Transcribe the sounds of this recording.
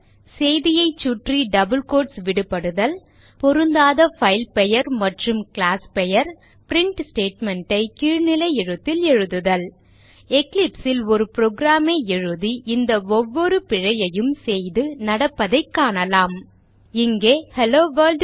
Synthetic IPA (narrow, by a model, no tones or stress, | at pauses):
sɛjðɪjɐɪt͡ʃːuʈriɖɐbɯlkoːʈsʋɪɽɯpːɐɽɯðɐl | pɔɾɯnd̪aːðɐfɐɪlpɛjɐɾmɐʈrɯmklaːspɛjɐɾ | pɪɾɪɳʈsʈeːʈmɛɳʈɐɪkiːɻnɪlɐɪɛɻɯt̪ːɪlɛɻɯðɯðɐl | ɛklɪpsɪlɔɾɯpɾoːɡɾaːmeːɛɻɯðiʔɪnd̪ɐɔʋːɔɾɯpɪɻɐjɐjɯmsɛjðɯnɐɽɐpːɐðɐɪkːaːɳɐlaːm | ɪŋɡeːhɛloːʋɐɾlɖ